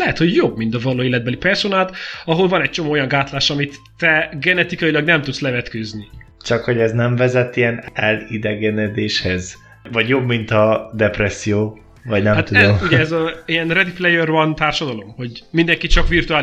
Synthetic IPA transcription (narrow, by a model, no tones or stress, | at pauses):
lɛɦɛt̪ho̞ɟjo̞bmint̪ɒvɒloːeːlɛd̪bɛlipɛrsonaːlt̪ɒɦo̞lvɒnɛc̚t͡ʃo̞moːo̞jɒŋɡaːt̪laːʃɒmit̪ːɛɡɛnɛt̪ikɒjilɒɡnɛmt̪ut̪slɛvɛt̪køznit͡ʃɒkho̞ɟɛznɛɱvɛzɛt̪ːiɛnɛlid̪ɛɡɛnɛd̪eːʃhɛz | vɒɟjo̞bmint̪ɒd̪ɛpɾɛsːijoː | vɒɟnɛmat̪uɛdzmuɟɛɛzɒiɛnrɛd̪iplɛjørvɒnt̪aːrʃɒd̪ɒlo̞mho̞ɟmind̪ɛŋkit͡ʃɒkʋirt̪uaː